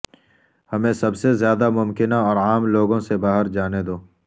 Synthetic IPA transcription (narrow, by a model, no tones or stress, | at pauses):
hɐmẽsɐbsezjaːd̪amʊmkɪnaɔːɾaːmloːɡõsebaːɦəɾd͡ʒaːned̪oː